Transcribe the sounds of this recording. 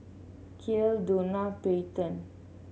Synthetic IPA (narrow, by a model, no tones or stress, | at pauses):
kʰildonapejt̪ə̃n